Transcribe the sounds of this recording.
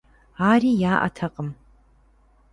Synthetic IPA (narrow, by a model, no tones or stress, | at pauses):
aːriːjaːʔɐ̰tʰɐqʼəm